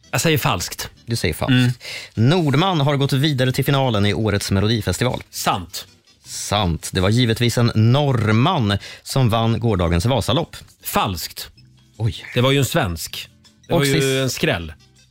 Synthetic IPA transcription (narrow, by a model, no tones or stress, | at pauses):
jasɛjəɾfa̰lskt̪d̪ɵsɛjːəɾfa̰lskt̪nuːɖmanːɦaɾɡɔt̪ːviːd̪aɾət̪ʰɪlfɪnɑːlənɪʔoːɾət̪smɛlʊd̪iːfɛst̪ɪvɑ̰ːlsamt̪ | sant̪d̪ɛvaɾjiːvət̪viːsɛnːɔɾmanːsɔmvanːɡoːɖɑːɡənsvɑːsalɔpː | falskt̪ | ɔjd̪̥ɛvaɾjɵɛnsvɛnsk | d̪ɛɔajjɛnskɾɛ̰lː